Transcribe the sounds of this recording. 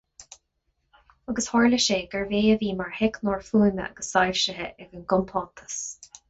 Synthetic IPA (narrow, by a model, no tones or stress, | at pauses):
əɡəshɔɹləʃeːɡəɹveːəviːmaɹhɪknoːɹfuːmə̰ə̰ɡ̥əsːajɾʃəɦəʔɛɡənɡʊmpʰɔːt̪ʰə̥s